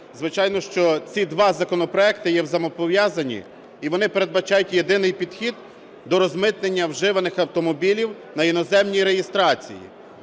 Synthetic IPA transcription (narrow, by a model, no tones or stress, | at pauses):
zʋɪt͡ʃɑjnɔʃt͡ʃɔt͡sʲid̪ʋɑzɐkɔnɔpɾɔɛk̚t̪ɪjɛwzɐmɔpɔʋʲjɑzɐnʲḭ | iʋɔnɪpe̞ɾe̞d̪̚bɐt͡ʃɑjʊtʲje̞d̪ɪnɪjpʲid̪xʲid̪ | d̪ɔɾɔzmɪt̪nenʲːɐwʒɪʋɐnɪxɐwt̪ɔmɔbʲilʲiw | nɐjinɔzɛmnʲijɾejɪst̪ɾɑt͡sʲḭjḭ